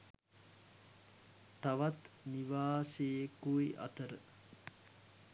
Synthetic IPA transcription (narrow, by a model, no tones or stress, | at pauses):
t̪aʋat̪ | niʋaːsejekujʔa̰t̪əɾə